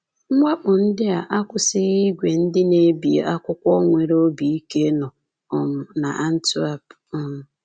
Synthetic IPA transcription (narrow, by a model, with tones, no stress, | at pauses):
ŋ͡m̩˦ŋʷa˦k͡pʊ˨n̩˦dɪ˦a˨ʔa˦kʷʊ˨sɪ˦ɣi˦ɡʷe˨n̩˦dɪ˦ne˦bi˨ḛ˨a˦kʷʊ˦kʷɔ˦ŋʷe˨ɾo˦bi˨i˦ke˦nɔ˨ | ɔ˨mʊ˨na̰˨ʔa˦n̩˦tu˦a˦p | ɔ˨m̩˨